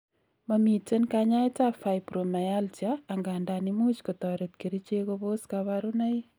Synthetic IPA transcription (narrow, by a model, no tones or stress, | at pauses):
mamitenkaɲatafaɪpromajaltiaːŋɡandanimut͡ʃkotɔɾet̚kiɾit͡ʃekoβoskaβaɾunaj